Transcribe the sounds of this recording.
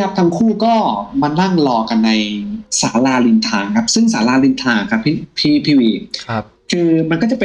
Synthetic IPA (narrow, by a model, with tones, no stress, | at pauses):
p̚t̪ʰa˧ŋkʰuː˥˩kɔː˥˩ma˧na˥˩ŋlɔː˧˩ka˧nːa˧jsa̰ː˩˦laː˧li˧nt̪ʰaː˧ŋkʰa˦˥p̚sɯ˥˩ŋsaː˩˦laː˧li˧nt̪ʰaː˧ŋkʰa˦˥pʰːi˥˩pʰiː˦˥pʰiː˧˩wiː˧ | kʰɯː˧ma˧nkɔː˥˩t͡ɕa˨˩pe˧